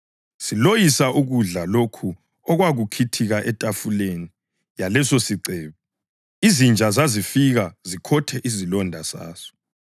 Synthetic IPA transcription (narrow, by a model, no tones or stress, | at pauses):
silojisaʔuɣuɮalokʰu | ɔɣwaɣukʰitʰiɣaʔɛtʼafuleni | jalɛsosiǀɛːβɛ | izind͡ʒʱazazifiɣazikʰɔtʰɛʔizilɔndʱasa̰ːsɔ̥